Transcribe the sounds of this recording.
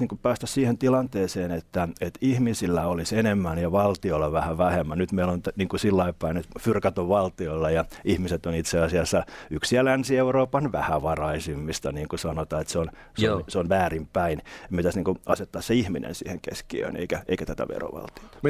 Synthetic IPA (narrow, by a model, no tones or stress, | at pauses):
niːŋkupæːst̪æssiːhent̪ilɑnt̪eːseːnet̪ːæet̪ihmisilːæolisenemːænjɑʋɑlt̪iolːɑʋæhæʋæhemːænyt̪meilont̪niːŋkusilːɑipæinet̪fyrkæt̪oʋʋɑlt̪ioilːɑjɑihmiset̪onit̪seɑsiɑsːɑyksiælænsieuroːpɑnʋæ̰hæʋɑrɑisimːist̪ɑniːŋkusɑnot̪ɑːet̪seon | snseonʋæːrimpæinemit̪æsniːŋkuʔɑset̪ːɑːsseihminḛnsḭːhḛŋkḛskiø̰ːnḛikæʔḛikæt̪æt̪æ̰ʋḛro̰ʋɑ̰lt̪io̥t̪ɑ̥